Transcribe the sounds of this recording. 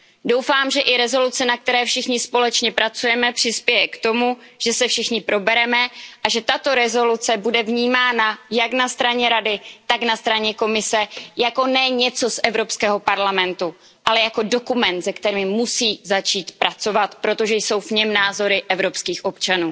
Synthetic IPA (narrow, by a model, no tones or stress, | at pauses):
do̞wfaːmʒɛʔɪɾɛzo̞lut͡sɛnak̚t̪ɛɾɛːfʃɪxɲɪspo̞lɛt͡ʃɲɛpɾat͡sujɛmɛpr̝̥ɪspjɛjɛkt̪o̞mu | ʒ̥ɛsɛfʃɪxɲɪpɾo̞bɛɾɛmɛʔaʒɛt̪at̪o̞ɾɛzo̞lut͡sɛbudɛvɲiːmaːnajaknast̪ɾaɲɛɾadɪt̪aknast̪ɾaɲɛko̞mɪsɛjako̞nɛɲɛt͡so̞sʔɛvɾo̞pskɛːɦo̞paɾlamɛnt̪u | ʔalɛjako̞do̞kumɛnt̪zɛkt̪ɛɾɪmusiːzat͡ʃiːt̪pɾat͡so̞vat̪pɾo̞t̪o̞ʒɛjso̞wvɲɛmnaːzo̞ɾɪʔɛvɾo̞pskiːxʔo̞pt͡ʃanuː